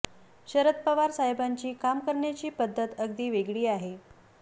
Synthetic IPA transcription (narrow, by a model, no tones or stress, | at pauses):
ɕəɾət̪̚pəʋaɾsaɦebaɲt͡ɕiːkamkəɾɳjat͡ɕiːpəd̪ʱːət̪əɡd̪iːʋeɡɭiːaɦe